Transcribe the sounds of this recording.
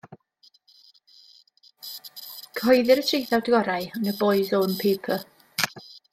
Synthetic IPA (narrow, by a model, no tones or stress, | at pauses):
kʰɔjðɪɾətʰrejθawdɪɡɔɾajnəbɔɨzonpʰejpʰə